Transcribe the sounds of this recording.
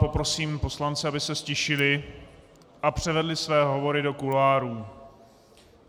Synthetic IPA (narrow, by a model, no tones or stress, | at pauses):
po̞pɾo̞siːmpo̞slant͡sɛabɪsɛscɛʃɪlɪ | ʔapr̝̥ɛvɛdlɪsvɛːɦo̞vo̞ɾɪdo̞kulaːɾuː